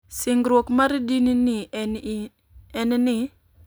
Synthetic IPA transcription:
sɪŋɡɾwokmaɾdinini | ɛnnɪ

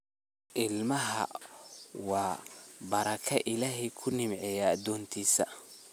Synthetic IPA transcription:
ʔɪlmɐɦɐ̰ | wɑːbɐɾɐkʰɐʔɪlaːɦɛjkʰʊnɪmʕɛjaːd̪ɔːnt̪ʰiːsɐ

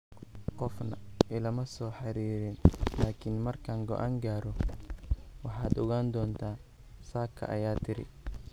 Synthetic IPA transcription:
qɔfnɐɪlɐmɐsɔːħɑɾiːɾɪnlaːkʰɪnmɐrkʰaːŋɡɔʔaːŋɡaːɾɔ | wɑħɑːd̪ɔɣaːnd̪ɔːnt̪ʰaː | saːkʰɐ̰ʔɐ̰jaːt̪ʰɪɾɪ̰

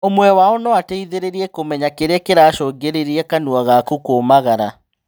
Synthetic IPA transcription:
omwɛwaɔnɔateiðeɾeɾiɛkomɛɲakeɾɛkeɾaʃɔɡeɾeɾiɛkanuaɣakukomaɣaɾa

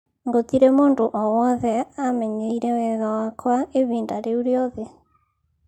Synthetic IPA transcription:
ŋɡot̪iɾɛmoːndoʔɔwɔðɛamɛɲeiɾɛwɛɣawakʰwaeβiːndaɾeuɾeɔðe

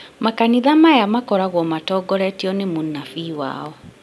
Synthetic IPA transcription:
makaniðamajamakɔɾaɣwɔmatɔɡɔɾɛtiɔnemonafiwa̰ːɔ

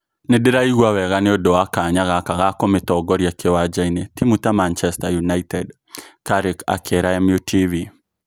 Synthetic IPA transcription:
nedeɾaiɣwawɛɣaneodɔwakaɲaɣakaɣakɔmetɔɡɔɾjakʰewad͡ʒainetimutamant͡ʃɛstajunaitɛd | kaɾeka̰kʰeɾaɛmjutʰivi

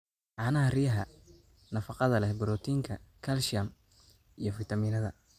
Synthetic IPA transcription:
ʕɑːnɐɦɐrijɐɦɐ | nɐfɑqɑðɐlɛhbɪɾɔːt̪ʰiːŋkʰɐkʰɐlʃɪɐm | ʔijɔfɪt̪ɐmiːnɐðɐ

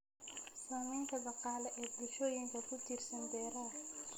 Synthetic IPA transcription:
saːmɛːŋkʰɐd̪ɑqɑːlɛʔɛːd̪ɪʃoːjɪŋkʰɐkʰʊt͡ʃirsɐnb̪ɛːɾaː

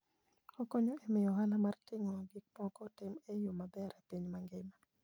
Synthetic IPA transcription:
okoɲoemɪjɔɦalamartɪŋɔɡik̚mɔkɔtɪmejomabɛɾepiɲmaŋɡɪma

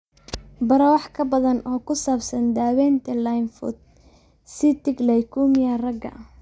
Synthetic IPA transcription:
bɐɾɔwɑħkʰɐbɐðɐnɔːkʰʊsaːbsɐnd̪aːwɛːnt̪ʰɐlajnfʊ̰d̪̚ | sit̪ʰɪɡlɛjkʰuːmɪjɐrɐɡɐ̰

